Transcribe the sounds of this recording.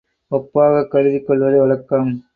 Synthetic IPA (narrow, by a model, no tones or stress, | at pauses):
ɔpːaːɣɐkːɐɻɯðɪkːɔɭʋɐðɐɪʋɐlɐkːam